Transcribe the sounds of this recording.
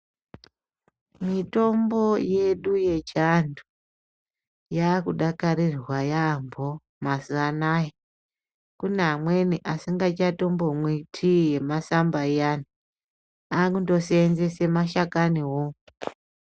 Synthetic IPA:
mito̞mbo̞je̞ɗuje̞t͡ʃandu | jakuɗakaɾirwajambo | masuanaje | kunamwe̞niʔasiŋɡat͡ʃato̞mbo̞mwitʰije̞masambaijani | akundo̞seːnze̞se̞maʃakaniɦo

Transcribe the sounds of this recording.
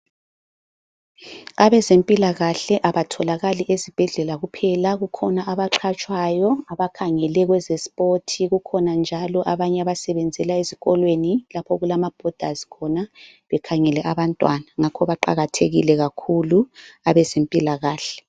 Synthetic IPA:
aβɛzempʼilaɣaɬɛʔaβatʰɔlaɣaliʔezib̥ʱɛɮɛlaɣupʰɛlaɣukʰɔnaaβaǃʰat͡ʃʼwajɔaβakʰaŋɛlɛɣwɛzɛspʼotʰiɣukʰɔnand͡ʒʱalɔʔaβaɲɛaβasɛβɛnd͡zʱɛlaeziɣɔlwenilapʰɔɣulamab̥ʱɔd̥ʱazi̥kʰɔna | βɛkʰaŋɛlɛʔaβantʼwanaŋakʰɔβaǃa̰ɣatʰeɣilɛɣakʰuluaβɛzempʼilaɣaːɬɛ̥

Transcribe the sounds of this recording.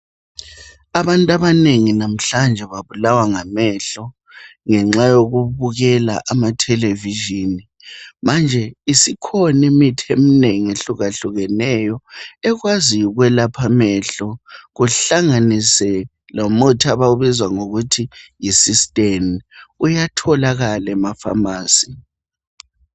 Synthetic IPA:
aβantʼaβaneŋinam̩ɬand͡ʒʱɛβaβulawaŋamɛɬɔ | ŋɛŋ͡ǁajoɣuβuɣɛla̰ʔamatʰɛleviʒini | mand͡ʒʱɛisikʰɔnimitʰiemineŋieɬuɣaɬuɣɛnɛjɔɛɣwaziuɣwɛlapʰamɛɬɔɣuɬaŋanisɛ | lamutʰaβauβizwaŋoɣutʰijisistʼemujatʰɔlaɣalɛmafa̰maːsi

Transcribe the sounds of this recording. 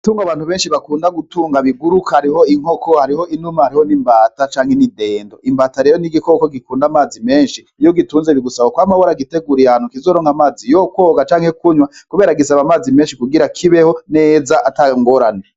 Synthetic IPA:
tuːŋɡaβaːn̥huβeːnʃiβakuːndaɡutuːŋɡaβiɡuɾukahaɾiɦo̞iŋ̥okohaɾiho̞inumahaɾiho̞niːmbaːtat͡ʃaːŋhenide̞ːndo̞ʔimbaːtaɾejoniɡiko̞koɡikuːndamaːzime̞ːnʃi | joɡituːnzeβiɡusaβokwamahoɾaɡite̞ɡuɾiaanhukizoːɾoːŋamaːzijokwoːɡat͡ʃaːŋ̥he̞kuɲwakuβe̞ːɾaɡisaβamaːzimeːnʃikuɡiɾakʰiβeho̞ne̞ːzaʔataŋɡo̞ɾane

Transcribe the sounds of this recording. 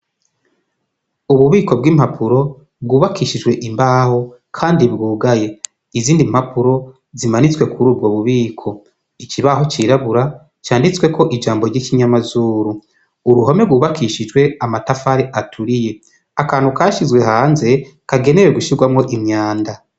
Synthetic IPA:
uβuβiːko̞b̚ɡiːmhapʰuɾo̞ | b̚ɡuːβakʰiːʃid͡ʒɡwe̞ʔimbaho̞kʰaːndibɡuːɡaje̞ | iziːndim̥hapuɾo̞ | zimanit͡swe̞kʰuɾuːb̚ɡoβuβiːkʰo̞ | it͡ʃiβaɦo̞t͡ʃiɾaβuɾa | t͡ʃaːndit͡swe̞kʰo̞ʔid͡ʒaːmbo̞ɾɟikiɲamazuːɾuː | ɾuɦome̞bɡuːβakʰiːʃid͡ʒwe̞amatafaɾeʔatʰuɾije̞ | akaːnhukaʃizwe̞ɦaːnze̞ | kaɡe̞ne̞weɡuʃiɡwamŋo̞ʔimɲaːnda

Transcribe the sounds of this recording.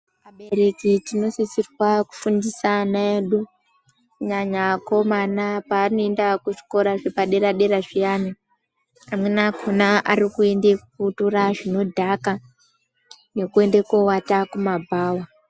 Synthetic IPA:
aɓe̞ɾe̞kitino̞sisirwaku̥fundisanaeɗu | kɲaɲako̞manapaːno̞endakuʐi̥ko̞ɾaʐepaɗe̞ɾaɗe̞ɾaʐijaːni | amwenakʰonaarikuendekutoraʐino̞dʱaka | ne̞kue̞nde̞kowatakumabʱaːwa

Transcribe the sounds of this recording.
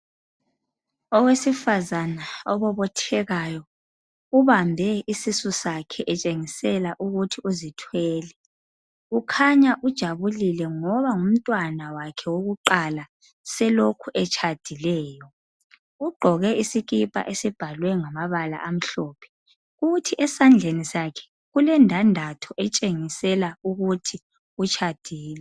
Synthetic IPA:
ɔwesifazanaɔβɔβɔtʰɛɣajɔ | uβambʱɛisisusakʰɛʔɛt͡ʃʼeŋisɛlaʔuɣutʰiuzitʰwɛːlɛ | ukʰaɲaʔud̥ʒ̥ʱaβulilɛŋɔβaŋum̩tʼwanawakʰɛwoɣuǃala | sɛlokʰuʔɛt͡ʃʼʰad̥ʱilɛːjɔ | ɣuɡ͡ǃʱɔɣɛisiɣipʼa̰ʔesib̥ʱalwɛŋamaβala̰ʔam̩ɬɔːpʰɛ̥ | ɣutʰiʔɛsand͡ɮʱenisakʰɛ̥ | ɣulɛndʱandʱatʰɔʔɛt͡ʃʼeŋisɛlauɣutʰi | ut͡ʃʰad̥ʱiːlɛ

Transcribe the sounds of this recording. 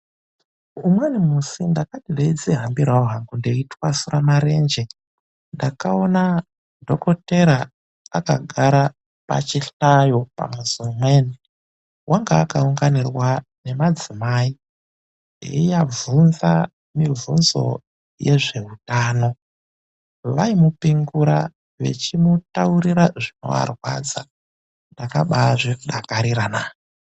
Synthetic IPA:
umwenimusindakatideid͡zeɦambiɾaoɦaŋɡundeitwasuramaɾe̞ːnd͡ʒe | ndakao̞na | ndoko̞teɾa | aka̰ɡʱaɾa | pa̰t͡ʃiɬajopa̰mwesiumweni | wʔaŋɡaːkauŋɡanirwane̞mad͡zimaːi | jḛijavunza | mivunzo̞̰ | je̞ʐe̞ɦutaːno̞ | ʋaimupiŋɡuɾa | ʋe̞̰t͡ʃimutauɾiɾaʐino̞̰ʋa̰rwa̰d͡za | ndaka̰ɓaʐikuɗakaɾiɾana

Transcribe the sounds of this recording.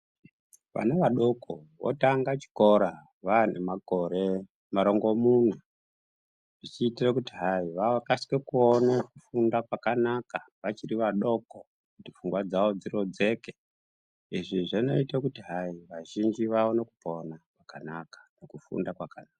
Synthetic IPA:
ʋa̰neʋaɗokowo̰taŋɡat͡ʃi̥ko̞ɾa | ʋanemakoɾe | maɾoŋɡomuna | ʐ̥it͡ʃiːtirekutiɦaiʋakasi̥kekuonekufundakwakanaka | ʋat͡ʃiriʋaɗo̞ko | kutifuŋɡwad͡zawod͡zirod͡ze̞ke | iʐiʐano̞itakutiɦaiʋaʒind͡ʒiʋaonekuponakwakanakḁnokufṵndakwakanaːka

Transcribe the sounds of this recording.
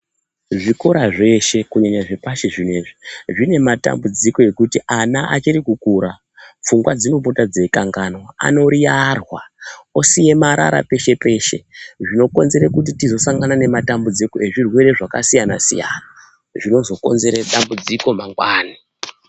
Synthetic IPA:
ʐiko̞ɾaʐe̞ʃe̞kuɲaɲaʐepaʃeʐine̞ʐiʐine̞mata̰mbud͡ziko̞e̞kutiʔanaʔa̰t͡ʃiɾikukuɾa | p͡fuŋɡwad͡zeup̬o̞tad͡ze̞kaŋɡano̞a̰no̞ɾijarwaosije̞maɾa̰ɾa̰pe̞ʃe̞pe̞ːʃe̞̰ʐino̞ko̞nze̞ɾekut̬itizo̞saŋɡanane̞matambud͡zikoeʐirwe̞ɾe̞ʐakasijana̰sḭja̰ːna | ʐino̞zo̞ko̞̰nze̞ɾeɗambud͡ziko̞maŋɡwaːni

